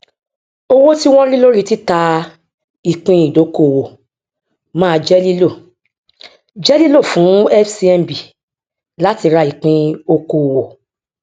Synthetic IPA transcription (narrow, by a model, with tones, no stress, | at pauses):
o˧wo˦ti˦w̃ɔ̃˦ɾi˦lo˦ɾi˦ti˦ta˧ | i˨k͡pĩ˧i˨do˨˦ko˨wo˨ | mãː˦˧d͡ʒɛ˦li˦lo˦˨ | d͡ʒɛ˦li˦lo˦˨fũ˨˦ɛ˦fsi˧˦ɛ˧m˨bi˨ | la˨˦ti˧ɾa˧i˨k͡pĩ˧o˧ko˨wo˨